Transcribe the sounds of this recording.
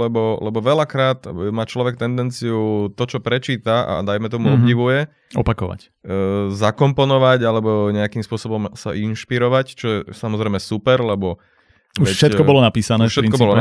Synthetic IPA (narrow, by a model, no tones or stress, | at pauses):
lɛbɔlɛbɔʋɛlakɾaːt̪maːt͡ʃlɔʋɛk̚t̪ɛnd̪ɛnt͡siut̪ɔt͡ʃɔpɾɛt͡ʃiːt̪aa̰d̪ajmɛt̪ɔmuɔbɟiʋujɛ | ɔ̰pakɔʋa̰cː | zakɔmpɔnɔʋaɟalɛbɔɲɛakiːmspʊɔsɔbɔmsa̰ʔinʃpiɾɔʋact͡ʃɔjɛsamɔzɾɛjmɛsupɛɾlɛbɔ | uʋɛʃɛt̪kɔɔlɔnapiːsanɛːʃɛkɔbɔlɔ